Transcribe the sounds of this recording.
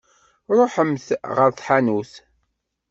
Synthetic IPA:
ɾˤoħəmθʁəɾθħanuθ

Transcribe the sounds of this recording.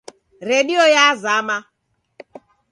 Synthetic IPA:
ɾediojaazaama

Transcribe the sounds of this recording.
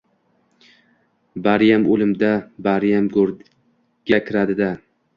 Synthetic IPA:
baɾjamolɪmd̪abaɾjamɡoɾ | ɡʲakʲʰɪɾad̪ɪd̪a

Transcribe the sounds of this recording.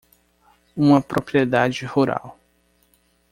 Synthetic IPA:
ũmɐpɾopɾied̪ad͡ʒɪhuɾa̰w

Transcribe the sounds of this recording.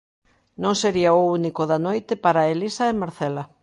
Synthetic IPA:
nõŋseɾiaounikoðanojt̪ɪpaɾaelisaemaɾθɛla

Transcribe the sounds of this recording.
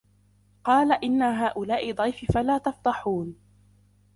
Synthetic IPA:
qɑːlaʔɪnːaɦaːʔʊlaːʔɪd̪ˤɑjfɪfalaːt̪ɑft̪ˤɑħuːn

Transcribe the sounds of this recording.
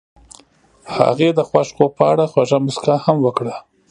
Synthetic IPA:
ha̰ɣed̪əxwaʃkopəaɽaxwaʒamʊskahamwəkɽa

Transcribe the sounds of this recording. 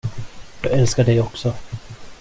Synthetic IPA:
j̪ɑɛlskaɖɛjɔksɔ

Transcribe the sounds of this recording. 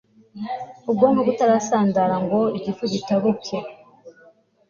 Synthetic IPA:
ub̚ɡoːmbaɡutaɾasaːndaɾaŋɡo̞iɟifuzitaβuke

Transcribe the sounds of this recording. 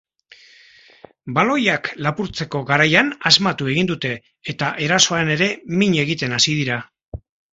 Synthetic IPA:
balo̞jaklapuɾt͡se̞ko̞ɣaɾajanazmat̪ue̞ɣind̪ut̪e̞ː | t̪aʔe̞ɾaso̞ane̞ɾe̞miɲe̞ɣit̪e̞nasið̞iɾa

